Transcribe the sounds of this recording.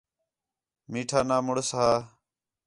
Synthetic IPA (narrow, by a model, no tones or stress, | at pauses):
miːʈʰaːnaːmʊɽsɦaː